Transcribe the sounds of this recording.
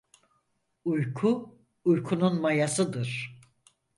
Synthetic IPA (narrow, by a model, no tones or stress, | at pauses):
ujkʰu | ujkʰununmajasɯd̪ɯɾ̥